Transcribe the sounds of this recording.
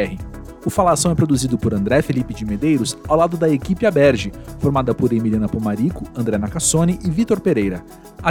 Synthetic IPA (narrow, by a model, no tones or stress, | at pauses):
ɛhɪ | ʊfalasɐ̃w̃ɛpɾod̪uzid̪ʊpʊɾɐ̃nd̪ɾɛfelipɪd͡ʒɪmed̪ejɾʊsawlad̪ʊd̪ɐekipɪabɛɾʒɪfoɾmad̪ɐpʊɾemiliɐ̃nɐpõmaɾikʊɐ̃nd̪ɾɛnakasõnɪʔɪvit̪oɾpeɾejɾɐ | a